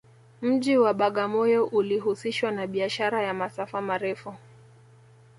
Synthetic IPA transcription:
m̩ʄiwaɓaɠamɔjɔʔuliɦusiʃwanaɓiaʃaɾajamasafamaɾɛfu

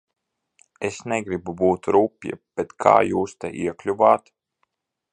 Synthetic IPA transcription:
esnɛɡɾibubuːt̪ɾuːpʲjɛ̰b̥et̪kʰa̰ːjuːst̪ɛ̰ʔiɛklʲuvaːt̪

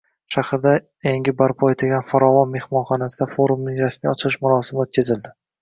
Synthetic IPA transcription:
ʃahɾɪd̪a | eŋʲɪbaɾpʰɒet̪ʰɪlɡʲanfaɾɒvɒnme̞hmɒnχɒnasɪd̪afoɾumnɪŋɾasmijɒt͡ʃʰɪlɪʃmʊɾɒsɪmɪot̪̚kʲʰazɪld̪ɪ

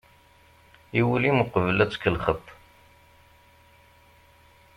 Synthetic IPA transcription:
iwəlimuqəvlæt͡sːkəlχət̪ˤː

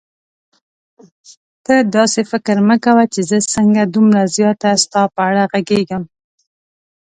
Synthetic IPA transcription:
t̪əd̪ɑsefɪkɾnəkawat͡ʃezəsəŋɡad̪umɾazjɑt̪ast̪ɑpəaɽaɣaɡeɡəm

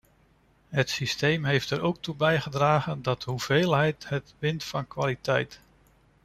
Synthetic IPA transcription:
ɦətsistejmɦejftɛɾowk̚tubɛjχədraːχəndɑtɦuv̥eːlˠɦɛjtɦətʋɪntfɑnkʋaːlitɛ̰jt

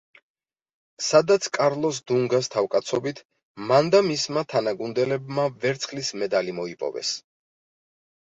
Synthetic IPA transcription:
sad̪at̪sʰkʼaɾlˠɔs̬d̪uŋɡast̪ʰavkʼat̪sʰɔbit̪ʰ | mand̪amismat̪ʰanaɡund̪ɛlɛbmavɛɾt̪sʰχlismɛd̪alimɔipʼɔ̰vɛ̰s

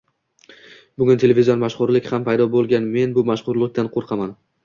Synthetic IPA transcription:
bʊɡʲʊnt̪ʰe̞lʲevizijɒnmaʃχʊɾlɪkʲhampʰajd̪ɒbolˠɡʲanme̞nbʊmaʃχʊɾlˠɪk̚ʲt̪anqʰoɾqʰɑman

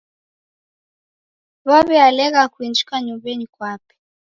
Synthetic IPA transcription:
βaβɛalɛɣakwind͡ʒikaɲumbɛnikwapɛ̥

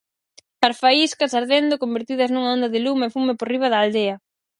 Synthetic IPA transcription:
aɾfaiskasaɾðend̪okombeɾt̪iðɐznuŋaɔnd̪ɐðɪlumɐefumeporiβ̞ɐðɐaːld̪eɐ

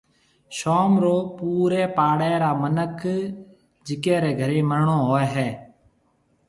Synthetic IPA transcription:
ʃoːmɾoːpuːɾeːpaːɽɛːɾaːmənək | d͡ʒɪkeːɾeːɡʱəɾeːməɳõːɦoːɛːɦɛː

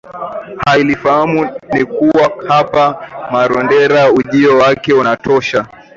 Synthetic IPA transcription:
hailifahamunikuwahapamaɾɔndɛɾauʄiɔwakɛunatɔʃa

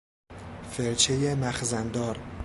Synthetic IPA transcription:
feɾt͡ʃʰejemæxzænd̪ɒːɾ

